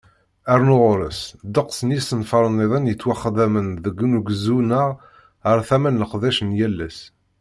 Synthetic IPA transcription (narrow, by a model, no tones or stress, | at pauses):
æɾnʊʁʊɾəsd̪əqsənjisənfɑɾˤənːeðˤənjət͡sːwaχːəd̪æmənðəɡːnuɡzunəʁ | əɾθæmænləqðæʃənjælːæs